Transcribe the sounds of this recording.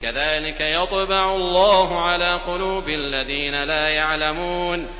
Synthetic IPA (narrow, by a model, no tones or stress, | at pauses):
kaðaːlɪkajɑt̪ˤbɑʕʊlˤːaːɦʊʕalaːqʊluːbɪʔalːaðiːnalaːjaʕlamuːn